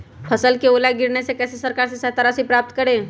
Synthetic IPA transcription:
pʰəsəlkeolaɡɪɾnesekɛsesəɾkaɾsẽsɛt̪aɾasipɾap̚t̪kəɾe

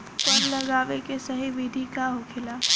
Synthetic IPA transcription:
pɐɾlɐɡaːʋekesɐɦibiːd̪ʱikaɦokʰɪlaː

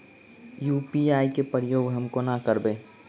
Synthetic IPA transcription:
juːpiaːikepɾɪjoːɡɦəmkonakəɾbeː

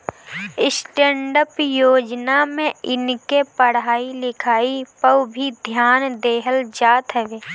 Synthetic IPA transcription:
ɪsʈẽːɳɖəpjoːd͡ʒnamẽɪnkepəɽ̤aːilɪkʰaːipəwbʱid̪ʱjaːnd̪eːɦəld͡ʒaːt̪ɦɛʋeː

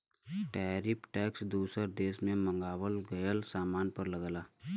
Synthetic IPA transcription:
ʈɛːɾɪpʈɛːksd̪uːsəɾd̪eːsmẽmə̃ŋɡaːwəlɡəjəlsaːmaːnpəɾləɡalaː

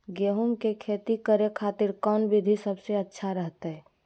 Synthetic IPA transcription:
ɡeːɦumkekʰeːt̪ikəɾekʰaːt̪ɪɾkɔnbɪd̪ʱisəbseətːʃʰaɾəɦt̪ɦɛː

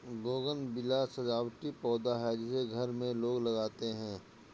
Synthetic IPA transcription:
ɡoːɡənbɪlasɐd͡ʒaːwʈipɔːd̪aɦɛd͡ʒɪseɡʱɐɾmẽloːɡlɐɡaːt̪eɦɛ̃ː

